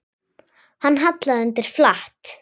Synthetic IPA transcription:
hanːɦat̪laðʏnt̪ɪɾ̥flaht̪

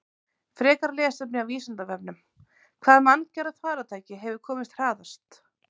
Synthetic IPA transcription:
fɾɛːkaɾlɛːsɛpnɪawviːsant̪avɛp̚nʏm | kʰv̥aːðmanːcɛɾaθvaːɾat̪ʰaːjcɪɦɛvʏɾkʰɔːmɪst̪r̥aːðast̪

